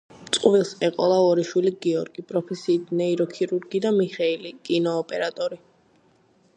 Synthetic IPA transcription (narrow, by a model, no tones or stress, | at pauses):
t̪sʼqʼvilˠsɛqʼɔlˠaɔɾiʃwiliɡiɔɾɡipʼɾɔpʰɛsiːt̪̚ʰnɛiɾɔkʰiɾuɾɡid̪amiχɛilikʼinɔːpʼɛɾat̪ʼɔɾi